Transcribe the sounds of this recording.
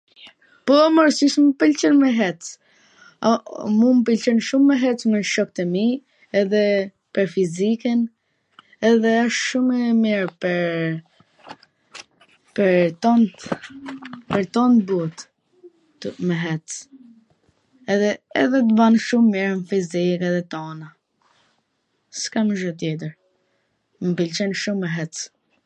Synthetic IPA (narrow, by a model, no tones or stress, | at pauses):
pɔməɾsiʃməpilt͡ʃənmɛɦɛt͡s | mumpilt͡ʃənʃumːɛɦɛt͡smɛʃɔk̚t̪əmi | ɛðɛ | pəɾfizikən | ɛðɛaʃʃumɛmiɾpəɾ | pəɾt̪ɔnt̪ | pəɾt̪ɔnt̪but̪ | mɛɦɛt͡s | ɛðɛɛðɛt̪̬əvanʃummiɾmfizikɛðɛt̪ɔna | skaməʒɔt̪̬jɛt̪̬əɾ | mpilt͡ʃɛnʃumɛɦɛt͡s